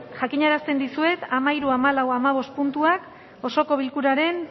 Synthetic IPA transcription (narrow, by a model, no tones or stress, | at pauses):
ʝakiɲaɾast̪e̞nd̪isue̞t̪amaiɾuamalawamaβ̞o̞st̪̚punt̪uak | o̞so̞ko̞β̞ilkuɾaɾe̞n